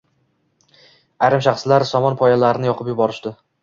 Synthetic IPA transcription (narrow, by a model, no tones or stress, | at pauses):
ajɾɪmʃaχslaɾsɒmɒnpʰɒjalaɾɪnɪjɒqʰɨpjʊbɒɾɪʃd̪ɪ